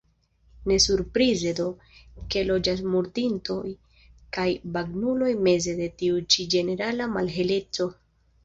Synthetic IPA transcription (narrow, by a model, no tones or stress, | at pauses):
ne̞suɾpɾize̞d̪o̞ | ke̞lo̞d͡ʒas̬muɾdinto̞j | kajbaɡnulo̞jme̞ze̞de̞tiut͡ʃid͡ʒe̞ne̞ɾalamalɦe̞le̞t͡so̞